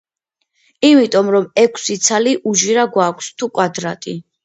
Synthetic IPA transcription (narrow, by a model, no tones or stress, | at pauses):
imit̪ʼɔmɾɔmɛkʰsit̪sʰaliʔuʒiɾaɡwakʷʰst̪ʰukʼwad̪ɾat̪ʼi